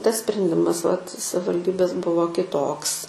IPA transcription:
ˈtɐs sʲpʲrʲɛnʲˈdʲɪmɐs ʋɐt sɐʋɐlʲˈdʲiːbʲeːs ˈbʊʋoː kʲɪˈtoːks

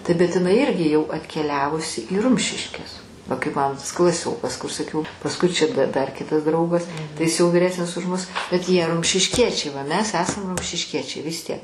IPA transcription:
tɐɪ bʲɛt ɪˈnɐɪ ˈɪrʲɡʲɪ jɛʊ ɐtʲkʲɛˈlʲæːʋʊsʲɪ iː ˈrʊmʲʃʲɪʃʲkʲɛs ʋɐ kɐɪp ˈmɑːnoː tɐs klˠɐˈsʲoːkɐs kʊr sɐˈkʲɛʊ pɐsˈkʊɪ t͡ʃʲɛ t dɐr ˈkʲɪtɐs ˈdrɐʊɡɐs tɐɪ ˈjɪs jɛʊ ʋʲɪˈrʲæːsʲnʲɪs ʊʃ ˈmʊs bʲɛt ˈjiɛ rʊmʲʃʲɪʃʲˈkʲiɛt͡ʃʲɛɪ ˈʋɐ ˈmʲɛs ˈæːsɐm rʊmʲʃʲɪʃʲˈkʲiɛt͡ʃʲɛɪ ʋʲɪs ˈtʲiɛk

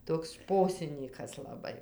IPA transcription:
ˈtoːks ˈʃpoːsʲɪnʲiːkɐs lˠɐˈbɐɪ

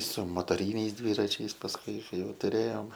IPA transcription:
sʊ moːtoːˈrʲiːnʲɛɪs ˈdʲʋʲiːrɐt͡ʃʲɛɪs pɐsˈkʊɪ ˈkɐɪ ˈjɛʊ tʊˈrʲeːjoːm

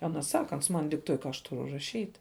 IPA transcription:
ˈɑːnɐ ˈsɑːkɐ ˈɐns mɐn dʲɪkˈtuɔj kɐ ɐʃ ˈtʊrʊ rɐˈʃʲiːtʲ

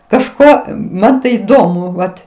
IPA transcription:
kɐʃˈkoː ˈmɐn tɐɪ iːˈdoːmʊ ˈʋɐt

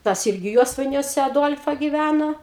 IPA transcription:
ˈtɐs ˈɪrʲɡʲɪ ˈjuɔsʋɐɪnʲuɔsʲɛ ɐˈduɔlʲfɐ ɡʲɪˈʋʲænoː

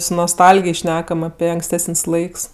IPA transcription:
sʊ noːsˈtɐlʲɡʲɪj ˈʃʲnʲæːkɐm ɐpʲɛ ɐŋksʲˈtʲæːsənʲsʲ ˈlˠɐɪks

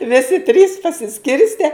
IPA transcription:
ˈʋʲɪsʲɪ tʲrʲiːs pɐsʲɪˈsʲkʲɪrʲsʲtʲɛ

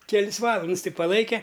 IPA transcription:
kʲɛˈlʲɪs ˈʋɑːlˠɐnts tʲɪ pɐˈlˠɐɪkʲɛ

